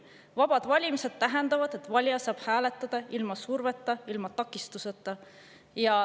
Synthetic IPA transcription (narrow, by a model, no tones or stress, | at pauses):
vɑb̥ɑd̪̥vɑlʲimise̞d̪̥̚t̪æɦɛnd̪ɑvɑd̪̥e̞t̪ːˑvɑlʲjɑsɑːb̥hæːlet̪ːˑɑd̪̥ɑilmɑsuɾvet̪ˑːɑilmɑt̪ɑkːˑist̪uset̪ːˑɑ | jɑ